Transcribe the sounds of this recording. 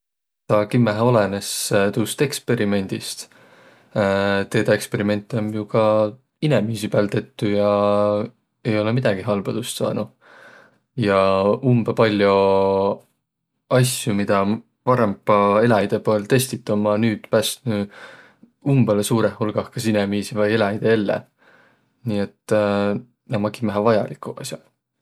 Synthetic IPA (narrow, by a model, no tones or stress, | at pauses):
t̪ɑːkimːæɦo̞lene̞st̪uːst̪e̞kspe̞ɾime̞nʲd̪̥ist̪ | t̪e̞ːd̪ɑe̞kspe̞ɾime̞nʲt̪ːˑeomjukɑ | inemiːsipæːlt̪e̞t̪ːujɑ | e̞jo̞lemid̪̥ɑɡiɦɑlb̥ɑd̪̥ust̪sɑ̰ːnu | jɑumb̥ɑpɑlʲjo | ɑsjumid̪̥ɑ | pɑɾe̞mpːɑe̞lɑjd̪̥e̞poelt̪e̞st̪it̪ːˑɑmɑnyːd̪̥pæːst̪ny | umb̥elesuːɾehulɡ̥ɑhkɑsinemiːsivɑje̞lɑjd̪̥eelːḛ | niːe̞t̪ˑː | nɑmɑkimæɦɑvɑjɑ̰likːˑuɑ̰sʲjɑ̰